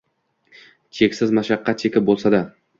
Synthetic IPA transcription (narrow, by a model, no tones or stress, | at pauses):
t͡ʃʰe̞kʲsɪzmaʃaqʰːɑt̪̚t͡ʃʰekʲɪp̚bolˠsad̪a